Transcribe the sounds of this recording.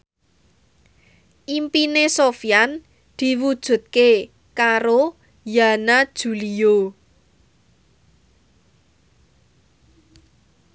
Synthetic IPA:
ʔimpinesofijan | d̪̥i̤wud̥ʒ̥ṳt̪̚ke | kaɾo | janad̥ʒ̥ṳlio

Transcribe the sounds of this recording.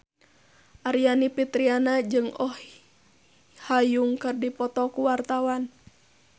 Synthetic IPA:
ʔaɾianipit̪ɾianad͡ʒɨŋɔh | hajuŋkɨrdipɔt̪ɔkuwart̪awan

